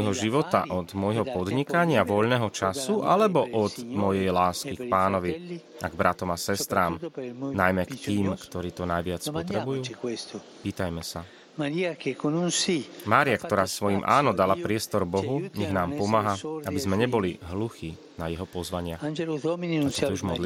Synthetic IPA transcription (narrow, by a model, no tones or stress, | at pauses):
jɦɔʒiʋɔt̪a̰ʔɔd̪mɔjɦɔpɔd̪ɲikaɲɪaʋɔʎnɛːɦɔt͡ʃasuʔalɛbɔʔɔd̪mɔjɛjlaːskikpaːnɔʋi | ʔaɡbɾʔat̪ɔmasɛst̪ɾaːmnajmɛkt̪iːmkt̪ɔɾiːt̪ɔnajʋɪat͡spɔt̪ɾɛbujjuː | piːt̪ajmɛsa | mkekonunsimaːɾiakt̪ɔɾaːsʋɔjimʔaːnɔd̪alapɾɪɛst̪ɔɾbɔɦuɲɛɣnaːmpɔmaɦaabizmɛɲɛbɔliɦluxiː | najɛɦɔpɔzʋaɲɪaxisɛɛuʒmɔd̪li